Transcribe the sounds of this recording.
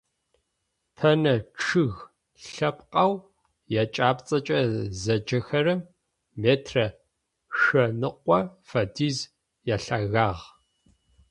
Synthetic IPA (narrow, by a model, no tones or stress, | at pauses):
tʰɐnɐʈ͡ʂʰɨɣ | ɬɐpqʼɐw | jat͡ʃʼaːpt͡sʼɐt͡ʃʼɐzɐd͡ʒɐxɐɾɨm | meːtʰrɐ | ʃɐnɨqʷʼɔfɐdiːz | jaːɬaːɣaːʁ